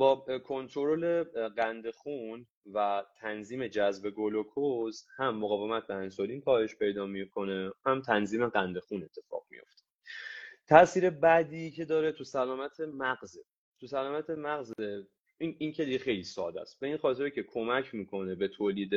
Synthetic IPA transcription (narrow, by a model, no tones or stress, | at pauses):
bɒːkʰo̞nt̪ʰɾoɾole̞ɢænd̪e̞xun | væt̪ʰænziːme̞d͡ʒæzbe̞ɡolokʰozhæmːoɣɒːve̞mæt̪̚beænsoliːnpʰɒːheʃpʰe̞jd̪ɒːmikʰo̞ne̞hæmt̪ʰænziːme̞ɡænd̪e̞xune̞t̪ʰːe̞fɒ̰ːɣ̥mḭjo̞̰ft̪e̥ | t̪ʰæsiːɾe̞bæd̪iːcʰe̞d̪ɒːɾe̞t̪ʰusælɒːmæt̪ʰe̞mæɢze | t̪ʰusælɒːmæt̪ʰemæɣze | iniːncʰe̞d̪iɡexe̞jliːsɒːd̪æ̰st̪̚be̞inxɒːt̪ʰe̞ɾcʰe̞kʰo̞mæcʰmiːkʰo̞ne̞be̞t̪ʰoːliːd̪e